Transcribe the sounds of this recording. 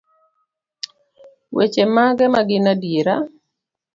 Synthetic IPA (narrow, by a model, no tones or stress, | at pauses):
wet͡ʃemaɡɛmaɡɪnadjeɾa̰